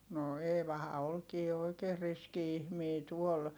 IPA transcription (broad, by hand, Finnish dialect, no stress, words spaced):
no eːʋɑhɑ olkiː oikeːr riski ihmiː tuol